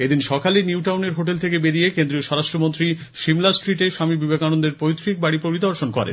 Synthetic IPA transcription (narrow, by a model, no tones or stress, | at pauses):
ed̪inʃɔkaliniwʈawneɾɦoʈelt̪ʰekebeɾijekend̪ɾioʃɔɾaʃʈɾomont̪ɾi | ʃimlaskɾiʈeʃamibibʱeɡanond̪eɾpojt̪ːɾik̚baɽipoɾid̪ɔɾʃonkɔɾḛn